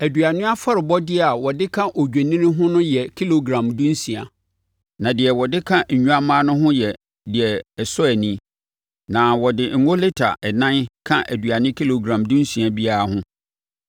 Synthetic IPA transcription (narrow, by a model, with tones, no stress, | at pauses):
æ˨du˨a˨nɪ̃˦a˦fɔ˦ɾɪ˨bɔ˦dɪ˦˨a˨wɔ˨dɪ˦kʰã˦ʔo˨d͡ʑᶣe˨nĩ˦nɪ̃˦ɦʊ̃˦nʊ̃˦jɛ˨kʰi˦lo˨ɡɾã˨mdũ˦n˦sĩ˨a˨ | nã˨dɪ˨ɛ˨wɔ˨dɪ˦kʰã˦ɲ̩˨ɲũ˦a˦mãː˦nʊ̃˦ɦʊ̃˦jɛ˨ | dɪ˨ɛ˨ɛ˨sɔ˦æ˨nĩ˦ | nã˨wɔ˨dɪ˨ŋ̩˨ŋo˦le˦tʰa̰˨ʔɛ˨nã˦nkʰã˦ʔæ˨du˨a˨nɪ̃˦kʰi˦lo˨ɡɾã˨mdũ˦n˦sĩ˨a˨bi˦a˦ɾa˦hʊ̃˦